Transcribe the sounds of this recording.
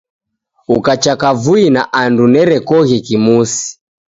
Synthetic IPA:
ukat͡ʃakavuinaʔandunɛɾɛkɔɣɛkimusi̥

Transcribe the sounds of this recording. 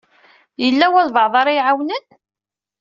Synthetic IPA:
jəlːæwælvəʕðˤɑɾˤijʕawnən

